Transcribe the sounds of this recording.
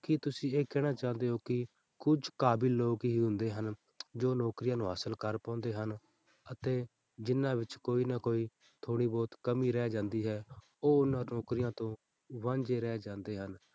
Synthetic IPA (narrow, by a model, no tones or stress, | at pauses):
kɪt̪ʊsĩːeːkɛːɽ̃aːt͡ʃãːnd̪eːoːkɪ | kʊd͡ʒkaːbɪlːoːkɦiːɦʊ̃nd̪eːɦən | d͡ʒoːnɔːkɾɪjãːnũːɦəsəlkəɾpãːnd̪eːɦən | ət̪eː | d͡ʒɪnːãːʋɪt͡ʃkoːiːnakoːiː | t̪ʰoːɽiːbɔːt̪kəmiːɾɛːd͡ʒãːnd̪iːɦɛː | oːʊnːãːnɔːkɾɪjãːt̪õː | ʋãːɲd͡ʒeːɾɛːd͡ʒãːnd̪eːɦən